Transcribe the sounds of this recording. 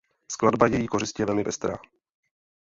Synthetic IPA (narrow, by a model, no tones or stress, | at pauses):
skladbajɛjiːko̞rɪscɪjɛvɛlmɪvɛst̪ɾa̰ː